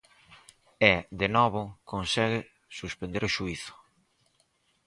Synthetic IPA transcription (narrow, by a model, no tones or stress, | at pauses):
ɛd̪enɔβʊkonsɛɣɪ | suspend̪eɾʊʃuiθʊ̥